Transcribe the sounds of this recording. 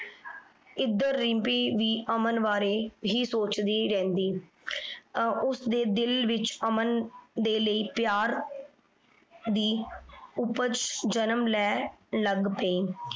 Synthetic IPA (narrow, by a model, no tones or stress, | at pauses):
ɪd̪əɾːɪmpiːʋiːʔəmənʋaːɾeːɦiːsoːt͡ʃd̪iːɾɛ̃ːnd̪iː | ʊsd̪eːd̪ɪlʋɪt͡ʃəmənd̪eːləiːpjaːɾ | d̪iːʊpət͡ʃd͡ʒənəmlɛːləɡpeiː